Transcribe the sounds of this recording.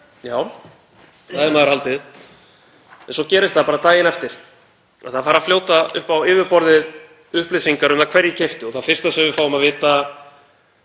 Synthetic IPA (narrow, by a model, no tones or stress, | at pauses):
jaːw | θaðɛɾmaːðɪɾhalt̪ɪð | ɛnsɔcɛːɾɪst̪θaðpaːɾat̪aːjɪnɛft̪ɪɾ̥ | a̰ðθaðfaːɾafljoːwt̪aʏ̰hpawɪːvɪɾpɔɾðɪð | ʏhplɪsiŋkaɾʏmakʰv̥ɛɾjɪcʰɛft̪ɪɔθaðfɪr̥st̪asɛmvɪfaːwʏmaðvɪːt̪a